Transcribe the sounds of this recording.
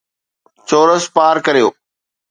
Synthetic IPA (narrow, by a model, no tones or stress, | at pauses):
t͡ɕoːɾəspaːɾkɐɾijoː